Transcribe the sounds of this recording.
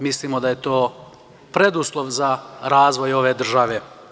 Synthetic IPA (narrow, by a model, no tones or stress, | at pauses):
mislimo̞d̪aje̞t̪oː | pɾe̞d̪uslˠo̞ʋzaɾaːzʋo̞jo̞ʋe̞ːd̪r̩ʒaʋe̞